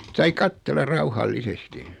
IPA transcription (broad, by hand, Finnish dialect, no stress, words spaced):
sɑi kɑtːelˑɑ rɑuhɑlːisesti